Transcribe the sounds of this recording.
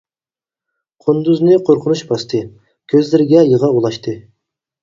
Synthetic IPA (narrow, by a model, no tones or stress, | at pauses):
qʰʊnd̪uznɨqʰoɾqʰʊnuʃbɑst̪ʰɨ | kʲʰøzlɪɾɪɡʲɛjəʁɑulˠɑʃt̪ʰɨ